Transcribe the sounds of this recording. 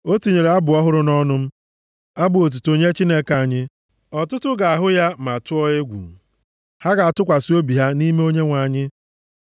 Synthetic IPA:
o˦ti˨ɲe˨ɾe˨a˦bʊ˨ɔ˦ɦʊ˦ɾʊ˦nɔ˦nʊ˦m̩˦ | a˦bʊ˨o˨t̬u˨to˨ɲe˦t͡ʃi˦ne˦ka˨a˨ɲɪ˦ | ɔ˨tʊ˦tʊ˦ɡa˨a˨ɦʊ˦ja˦ma˨tʊ˦ɔ˦e˦ɡʷṵ˨ŋ̩˨ | ha˦ɡa˨a˨tʊ˦kʷa˨si˦o˦bi˨ɦa˦ni˦me˦o˦ɲe˦ŋʷa˨ɲɪ˦

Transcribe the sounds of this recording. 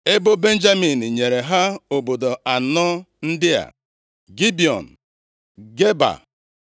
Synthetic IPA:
e˦bʊ˦be˦n̩˦d͡ʒa˦mi˨n̩˨ɲe˨ɾe˨ɦa˦o˨bo˨do˨a˨nɔ˦ | n̩˦dɪ˦a̰˨ | ɡi˦bi˨ɔ̰˨n̩˨ | ɡe˦ba̰˨

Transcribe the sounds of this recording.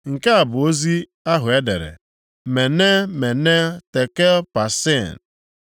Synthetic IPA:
ŋ̩˨ka˦a˨bʊ˨o˦zi˦ | a˦ɦʊ˨e˦dḛ˨ɾḛ˨ | me˨ne˦me˨ne˦te˨ke˦pa˨se˦˨n˨

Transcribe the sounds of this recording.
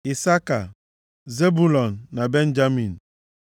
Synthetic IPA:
i˨sa˦ka˨ | ze˦bu˦lɔ˨nːa˨be˦n˦d͡ʒa˦mi˨n˨

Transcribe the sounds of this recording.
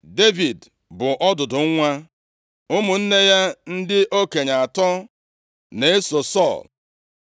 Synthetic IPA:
de˦vi˨d | bʊ˨ʔɔ˦dʊ˨dʊ˨˦ŋʷa˦ | ʊ˦mʊ˨n̩˦ne˦ja˦n̩˦dɪ˦ʔo˦ke˨ɲa˨a˨tɔ˦ | ne˨e˦so˨sɔ̰˦˨l

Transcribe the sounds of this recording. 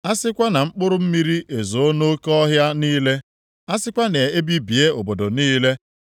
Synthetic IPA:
a˦sɪ˦kʷa˦na˨ŋ͡m̩˦k͡pʊ˦ɾʊ˦m̩˦mi˦ɾi˦ʔe˨zo˨o˦no˦kɔ˦ɦja˦niː˦le˦ | a˦sɪ˦kʷa˦ne˨e˦bi˦bi˨e˦o˨bo˨do˨niː˦le˦

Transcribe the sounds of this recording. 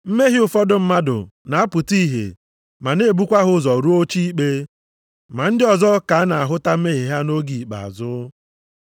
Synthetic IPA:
m̩˦me˦ɦɪ˦ʊ˨fɔ˦dʊ˦m̩˦ma˦dʊ̰˨na˨a˦pʊ˨ti˦ɦḛ˨ | ma˨ne˦˨bu˦kʷa˦ɦʊ˦zɔ˨ɾu˦o˦t͡ʃi˦i˦k͡pe˦ | ma˨n̩˦dɪ˦ɔ˨zɔ˦ka˨a˦na˨a˨ɦʊ˦ta˦m̩˦me˦ɦi˨ɦa˦no˦ɡi˨k͡pa̰˨a̰˨zʊ˦

